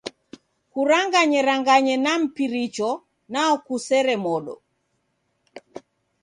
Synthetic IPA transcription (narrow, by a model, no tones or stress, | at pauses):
kuɾaŋɡaɲɛɾaŋɡaɲɛnam̩piɾit͡ʃɔ | naɔkusɛɾɛmɔɗɔ̰